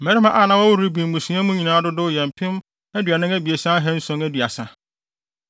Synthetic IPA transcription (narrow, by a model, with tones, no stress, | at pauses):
mɛ˨˦ɾi˦mã˦ʔa˦˨nã˨˦wɔ˦wɾɾi˦bĩ˨m̩˨mũ˨sĩ˦ã˦mũ˦ɲĩ˨nãː˨˦dʊ˦dʊ˦jɛ̃˨m˨pʰɪ̃˦m | æ˦dɥa˨nɪ̃˦ŋæ˦bi˨e˨sã˦a˦ɦɛ˦n̩˦sʊ̃˦ŋæ˦dɥa˨sã˨